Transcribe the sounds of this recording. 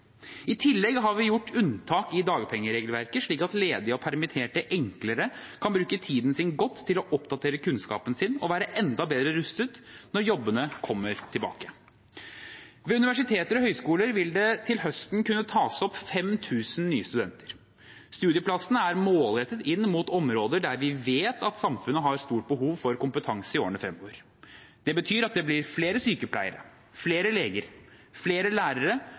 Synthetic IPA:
ɪt̪ʰɪlːɛɡɦɑɾʋɪjʊʈːʉnt̪ʰɑːkɪd̪ɑːɡəpʰɛŋːəɾeːɡəlʋæɾkəʂɭiːkɑt̪leːd̪ɪəɔpʰæɾmɪt̪ʰeːʈəʔɛŋkləɾəkʰɑnbɾʉːkət̪ʰiːd̪n̩sɪnɡɔt̪ʰːɪlɔʔɔpd̪ɑt̪ʰeːɾəkʉnskɑ̰ːpənsɪnɔʋæːɾəʔɛnd̪ɑbeːd̪ɾəɾʉst̪ət̪nɔɾjɔbːənəkʰɔmːəɾt̪ʰɪlbɑ̰ːkə | ʋɛʉnɪʋæʂɪt̪ʰeːt̪əɾɔɦœʏskuːləɾʋɪld̪ɛt̪ʰɪlɦœst̪nkʉnːət̪ʰɑːsɔpfɛmt̪ʰʉːsənnyːəst̪ʉd̪ɛnt̪ə̥ɾ | st̪ʉːd̪ɪəpʰlɑsənəæɾmoːlɾɛt̪ːət̪ɪnːmut̪ɔmɾoːd̪əɖæɾʋɪʋeːt̪ɑt̪sɑmfʉnːəɦɑɾst̪uːʈ̚bəɦuːʋfɔɾkʊmpət̪ʰɑŋsəɪoːəɳəfɾɛmoʋəɾ | d̪̥ɛbət̪ʰyːɾɑt̪̚d̪ɛblɪɾfleːɾəsyːkəpʰlæ̰ɪəɾə̰ | fleːɾəleːɡəɾfleːɾəlæːɾəɾə

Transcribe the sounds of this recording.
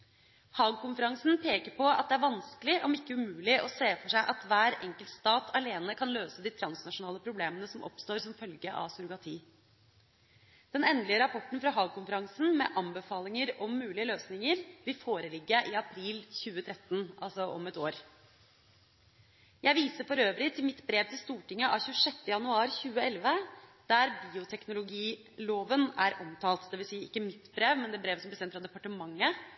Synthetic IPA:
hɑːɡ̚kʊnfəɾɑŋsn̩pʰeːkəɾpɔɑ̰t̪̚d̪ɛæɾʋɑnskəlɪʔɔmɪkːəʉmʉːlɪʔɔseːfɔʂæɪʔɑt̪ʋæːɾɛŋkəlt̪st̪ɑːt̪ʰɑleːnəkʰɑnløːsəd̪iːt̪ʰɾɑnsnɑʂʊnɑːləpʰɾʊbleːmənəsɔmʔɔ̰pst̪oːɾsɔmfœlɡəʔɑ̰ʋsʊɾʊɡɑt̪ʰiː | d̪̥ɛnɛnlɪəɾɑpʰɔʈːn̩fɾɑɦɑːɡ̚kʊnfəɾɑŋsn̩mɛ̰ʔɑmbəfɑːlɪŋəɾɔmːʉːlɪəløːsnɪŋəɾʋɪlfoːɾəlɪɡːəʔɪɑpʰɾiːlçʉːət̪ʰɾɛt̪ːnʔɑ̰lsɔʔɔ̰mɛt̪oːɾ | jæɪʋiːsəɾfɔɾøːʋɾɪt̪ʰɪlmɪt̪bɾeːʋt̪ʰɪlst̪uːʈɪŋːəʔɑçʉːəʂɛt̪ːəjɑnʉɑːɾçʉːəɛlʋəd̪̥æɾbiːʊt̪ʰɛknʊlʊɡiː | loːʋənæɾʔɔmt̪ʰɑːlt̪d̪ɛːʋɪlsiːəɪkːəmɪt̪bɾeːʋmɛnd̪ɛːbɾeːʋəsɔmlɛsɛnfɾɑd̪ɛpɑʈəmɑŋːə

